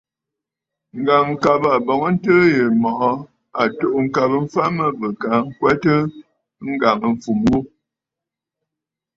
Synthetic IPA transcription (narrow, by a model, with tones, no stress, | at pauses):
ŋ̩˨ɡa˨ŋ̩˨ka˨ba˨bɔ˨ŋə˦n̩˦tə˦jə˨mɔ˨ʔɔ˦ | a˨to˦˨ʔŋ̩˨ka˨bə˦m̩˦fa˦mə˦bə˨ka˨˦ŋ̩˦kwɛ˦tə˦ | ŋ̩˦ɡa˨ŋə˨ɱ̩˨fu˨mwu˦